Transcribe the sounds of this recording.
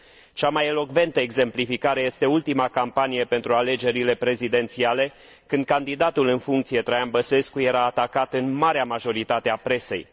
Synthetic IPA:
t͡ʃamajelo̞kve̞nt̪əeɡze̞mplifikaɾe̞jest̪e̞ult̪imakampanije̞pe̞nt̪ɾuale̞d͡ʒe̞ɾile̞pɾe̞zid̪e̞nt̪siale̞ | kɨnd̪̚kand̪id̪at̪ulɨnfuŋk̚t̪sije̞t̪ɾajanbəse̞skuje̞ɾaːt̪akat̪ɨnmaɾeamaʒo̞ɾit̪at̪eapɾe̞se̞̰j

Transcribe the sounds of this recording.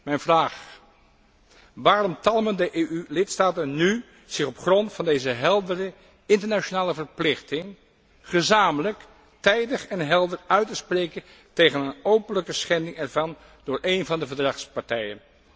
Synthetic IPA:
mɛjnvraːχ | ʋaːɾɔmtɑlˠməndəʔeːʔylɪtstaːtənny | z̥ɪχɔpχrɔntfɑndejzəɦɛlˠdərə | ɪntəɹnaʃonaːləvəɹplɪχtɪŋ | χəzaːmələk | tɛjdəχɛnɦɛlˠdərœɥtəsprejkən | tejχənənowpənləkəsχɛndɪŋɛɹvɑn | d̥ʊːɹʔejnvɑndəvəɹdrɑχspɑɹtɛjən

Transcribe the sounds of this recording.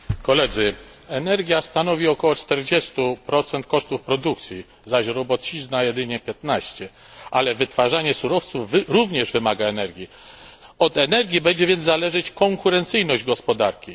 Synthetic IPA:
kɔlɛd̪zɘ | ɛnɛɾɡʲjast̪anɔvʲiɔkɔwɔt͡ʂt̪ɛɾd͡ʑɛst̪upɾɔt̪sɛnt̪̚kɔʂt̪ufpɾɔd̪uk̚t̪sʲji | zaɕɾɔbɔt̪t͡ɕiznajɛd̪ɘɲɛpʲjɛt̪naɕt͡ɕɛ | ʔalɛvɘt̪faʐaɲɛsuɾɔft̪suvɾuvɲɛʐvɘmaɡaɛnɛɾɡʲi | ɔd̪ɛnɛɾɡʲjibɛɲd͡ʑɛvʲjɛnd̪zalɛʐɘt͡ɕkɔŋkuɾɛnt̪sɘjnɔʑd͡ʑɡɔspɔd̪aɾkʲi

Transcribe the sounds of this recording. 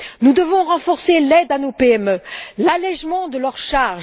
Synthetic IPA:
nud̪əvɔ̃ʁɑ̃fɔʁselɛd̪anopeɛmølalɛʒmɑ̃d̪əlœʁʃaʁʒ

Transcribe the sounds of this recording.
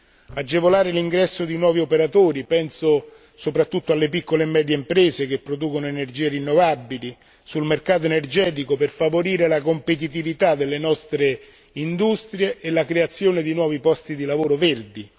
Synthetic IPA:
ad͡ʒːevolaːɾeliŋɡɾɛsːod̪inwɔːviopeɾat̪oːɾipɛnso | sopɾat̪ːut̪ːoalːepikːolemɛːd̪jeimpɾeːsek̟epːɾod̪uːkonoenerd͡ʒiːerinːovabːili | sulmerkaːt̪̬oenerd͡ʒɛːt̪̬ikoperfavoɾiːɾelakompet̪̬it̪̬ivit̪ad̪elːenɔst̪ɾe | ind̪ust̪ɾjeːlakɾeat̪sːjoːned̪inwɔːvipɔst̪id̪ilavoːɾoverd̪i

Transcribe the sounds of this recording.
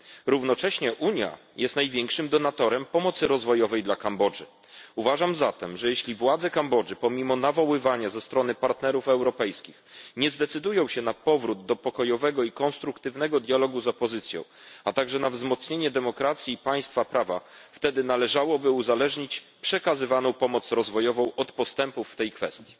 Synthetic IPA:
ɾuvnɔt͡ʂɛɕɲɛʔuɲja̰ | jɛst̪najvʲjɛŋkʂɘmd̪ɔnat̪ɔɾɛmpɔmɔt̪sɘɾɔzvɔjɔvɛjd̪lakambɔd͡ʐɘ | uvaʐamzat̪ɛmʐɛjɛɕlʲivwad̪zɛkambɔd͡ʐɘpɔmʲimɔnavɔwɘvaɲazɛst̪ɾɔn̪ɘpaɾt̪nɛɾufɛwɾɔpɛjskʲixɲɛzd̪ɛt̪sɘd̪ujɔ̃w̃ɕɛnapɔvɾud̪d̪ɔpɔkɔjɔvɛɡɔikɔnst̪ɾukt̪ɘvnɛɡɔd̪jalɔɡuzɔpɔzɘt̪sʲjɔ̰̃w̃at̪aɡʐɛnavzmɔt̪sɲeɲɛd̪ɛmɔkɾat̪sʲjiːpaj̃st̪fapɾava̰ft̪ɛd̪ɘnalɛʐawɔbɘuzalɛʐɲit͡ɕ | pʂɛkazɘvanɔ̃w̃pɔmɔt̪sɾɔzvɔjɔvɔ̃w̃ʔɔt̪pɔst̪ɛmpufːt̪ɛjkfɛ̰st̪ʲji̥

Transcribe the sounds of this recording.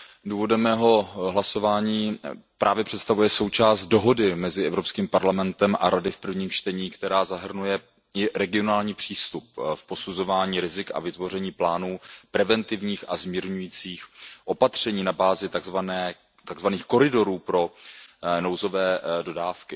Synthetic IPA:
duːvo̞dɛmɛːɦo̞ɦlaso̞vaːɲiːpɾʔaːvjɛpr̥ɛt̪st̪avujɛso̞wt͡ʃaːst̪̚do̞ɦo̞dɪmɛzɪʔɛvɾopskiːmpaɾlamɛnt̪ɛmʔa̰ɾadɪfpr̩vɲiːmt͡ʃt̪ɛɲiːkt̪ɛɾaːzaɦr̩nujɛ | ɪɾɛɡɪo̞naːlɲiːpr̝̥iːst̪up̚fpo̞suzo̞vaːɲiːɾɪzɪka̰vɪt̪vo̞rɛɲiːplaːnuːpɾɛvɛnt̪ɪvɲiːxazmiːɾɲujiːt͡siːxʔo̞pat̪r̝̥ɛɲiːnabaːzɪt̪aɡzvanɛː | t̪aɡzvaniːxko̞ɾɪdo̞ɾuːpɾo̞ | nowzo̞vɛːdo̞daːfkɪ

